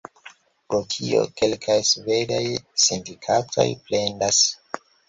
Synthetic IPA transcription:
pɾotʰio̞̰ke̞lkʰajsve̞dajsindikʰatʰo̞̰jple̞ndas

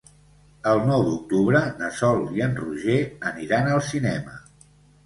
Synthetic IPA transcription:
əlˠnɔwd̪uk̚t̪uβɾənəsɔlˠiənruʒeəniɾanəlˠsinɛmə̰

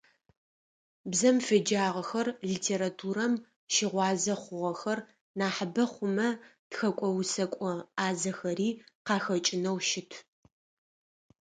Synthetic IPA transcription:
bzɐmfed͡ʒaːʁɐxɐrɮitʰeːɾatʰuːɾɐm | ʃɪʁʷɑːzɐχʷʊʁɐxɐr | naːħabɐχʷʊmɐtxɐkʷʼɔwsɐkʷʼɔaːzɐxɐɾiːqɑːxɐt͡ʃʼɪnɐwʃɪtʰ

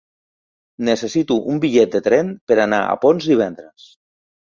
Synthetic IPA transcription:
nesesit̪uʔumbiʎɛt̪̚d̪et̪ɾɛnpeɾanaa̰ponzd̪iβ̞ɛnd̪ɾes

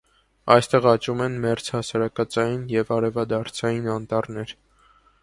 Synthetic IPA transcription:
ɑjst̪ɛʁɑt͡ʃumɛnmɛɾt͡shɑsɑɾɑkɑt͡sɑjinjɛvɑɾɛvɑd̪ɑɾt͡sʰɑjinɑnt̪ɑrnɛɾ

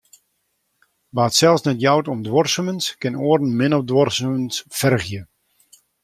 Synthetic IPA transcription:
ʋaːtsɛlˠsnɛtjawtɔmdwɔrsəmənskɪnoərn̩mɪnɔfdwɔrsəmənsfɛrɣjə

